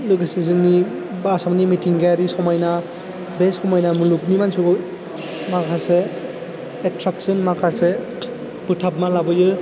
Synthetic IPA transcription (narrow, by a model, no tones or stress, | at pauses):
lɯɡɯsizɯŋni | basamnimitʰiŋɡajaɾisɔwmajna | besɔmajnamulup̚nimansuɡɯ | makʰaseː | tʰɾaksɯnmakʰase | b̥ɯtʰap̚malabɯjɯ